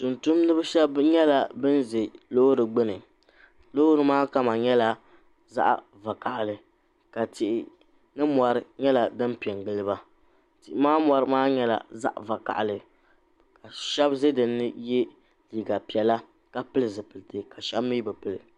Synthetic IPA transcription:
tu˨ntu˦mnɨ˦bɨ˦ʃɛ˦bɲɛ˦la˨bɨ˦n˦ze˨lo˦ɾɨ˨ɡ͡bɨ˦nɨ˨ | lo˦ɾɨ˨˦maː˦ka˦ma˨ɲɛ˦la˨ | za̰˦ʔa̰˨ | va˨ka˨ʔlɨ˨ | ka˨tɪ˨ʔɪ˨ | nɨ˦mɔ˨ɾɨ˦ɲɛ˦la˨dɨ˦mpi˨ɛ˨ŋɡɨ˦lɨ˦ba˦ | tɪ˨ʔɪ˨maː˦mɔ˨ɾɨ˦maː˦ɲɛ˦la̰˨za̰˦ʔva˨ka̰˨ʔlɨ˨ | ka˨ʃɛ˦bze˦dɨ˨nːɨ˦jɛ˦ | liː˨ɡa˨pi˨ɛ˨la˦ | ka˦pɨ˦lɨ˨zɨ˨pɨ˨lɨ˨tɨ˨ka˨ʃɛ˦bmi˦bɨ˨pɨ˦lɨ̰˨

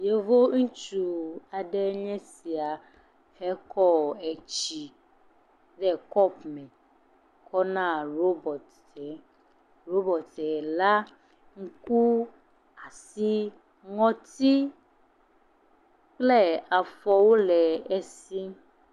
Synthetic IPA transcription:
je˦vo˦ŋũ˦t͡ʃu˨a˨ɖɛ˦ɲɛ̃˦si˨a˨ | hɛ˦kʰɔ˦ɛ˨t͡ʃi˨ | ɖɛ˦kɔ˦pmɛ̃˨ | kʰɔ˦nã˦˨ɾo˦bɔ˨t | ɛ˨˦ | ɾo˦bɔ˨t̪ɛ˨la˦ | ŋ̩˦ku˦ | a˨si˦ | ŋɔ̃˦t̪i˦ | k͡plɛ˦a˨fɔ˦wo˦lɛ˨ɛ˦si˦

